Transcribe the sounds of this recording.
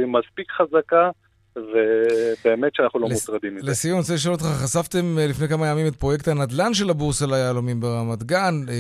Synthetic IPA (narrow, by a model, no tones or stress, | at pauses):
imaspikχazaka | vebeːmet̪ʃeanaχnulo̞mutʁad̪imilesijont͡seliʃolot̪χaχasavt̪e̞mlifne̞jkamajamime̞t̪̚pʁo̞je̞k̚t̪hanad̪lanʃ̬e̞labuʁselajaːlomimbeʁamat̪ɡan